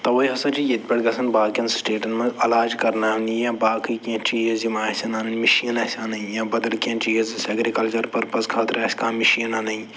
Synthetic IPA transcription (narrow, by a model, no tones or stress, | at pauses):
t̪ɐʋɐiɦɐsɐ̃nt͡ʃʰijɐt̪̚pʲɐɽɡɐsʰɐnbaːkɐnsʈeːʈɐnmɐ̃zɐlaːd͡ʒkɐɾnaːund̪ijãːbaːkiːkiɐ̃t͡ʃiːjɐzimaːsʲɐnaːnɐnmiʃinɐːsʲaːnɐĩjãːbɐd̪ɐlkiɐ̃nt͡ʃiːɦizisɐɡɾikɐlt͡ʃɐɾpɐɾpɐskʰaːt̪ɾɐːsʲkãːmiʃiːnaːnɐĩ